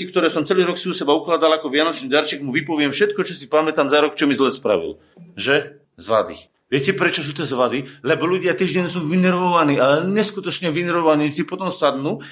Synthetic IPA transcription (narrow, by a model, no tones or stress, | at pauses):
ikt̪ɔɾɛːsɔmt͡sɛliːɾɔksiusɛbauklaːd̪alˠakɔvɪanɔt͡ʃniːd̪aɾt͡ʃɛɡmuʋipɔʋɪɛmfʃɛt̪̚kɔt͡ʃɔsipamɛt̪amzaɾɔkt͡ʃɔmizlɛspɾa̰ʋḭl | ʒɛ | zʋad̪ḭ | ʋɪɛcɛpɾɛt͡ʃɔs̬uːt̪ɛzʋad̪ilɛbɔluɟɪat̪iːʒɟɛɲsuːʋinɛɾʋɔʋaniːalɛɲɛskut̪ɔt͡ʃɲɛʋinɛɾʋɔʋaɲiːsipɔt̪ɔmsad̪nuː